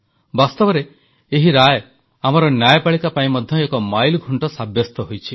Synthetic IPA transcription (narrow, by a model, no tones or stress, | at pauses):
bast̪ɔbɔɾe | eɦiɾaj | amɔɾɔnjajɔpaɭikapaĩmɔd̪ʱjɔekɔmajlɡʱuɳʈɔsabjɔst̪ɔɦojt͡ʃʰi